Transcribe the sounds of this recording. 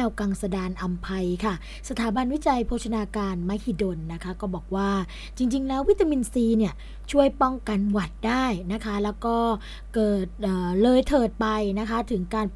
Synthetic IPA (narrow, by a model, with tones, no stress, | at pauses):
ɛ˧˩wka˧ŋsa˧daː˧nʔa˧mpʰa˧jkʰa˥˩ | sa˧t̪ʰaː˩˦ba˧nwi˦˥t͡ɕa˧jpʰoː˧˩t̪̚sʰa˧naː˧kaː˧nma˦˥hiː˧˩doː˧nːa˦˥kʰa˦˥kɔː˥˩bɔː˨˩k̚waː˥˩ | t͡ɕi˧ŋt͡ɕi˧ŋlɛː˦˥wi˦˥t̪ːa˧miː˧nsiː˧˥ni˥˩ɐ | t͡ɕʰu˥˩əjpɔ˥˩ŋka˧nwa˨˩t̪̚daː˥˩jna˦˥kʰa˦˥lɛː˦˥wkɔː˥˩ | kɤː˨˩t̪̚ʔɤː˨˩lɤː˧jt̪ʰɤː˨˩t̪̚pa˧jna˦˥kʰa˦˥t̪ʰɯ˩˦ŋkaː˧n